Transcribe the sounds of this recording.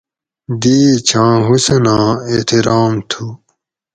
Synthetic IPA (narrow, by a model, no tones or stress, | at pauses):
d̪iːt͡ɕʰãːɦusenãːet̪ʰiɾaːmt̪ʰu